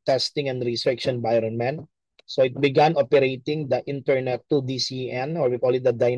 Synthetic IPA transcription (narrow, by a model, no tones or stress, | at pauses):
t̪ɛst̪ɪ̃ŋɛ̃nd̪ɾist̪ɾɪkʃɔ̃nbajɾɔ̃nmɛ̃nt̪ | soɪt̪̚bɪɡãnʔɔpɛɾejt̪ɪ̃ŋd̪ɐʔɪ̃nt̪ɛɹnɛt̪ːud̪isiɛ̃nɔɹbikɔlid̪ɐd̪aj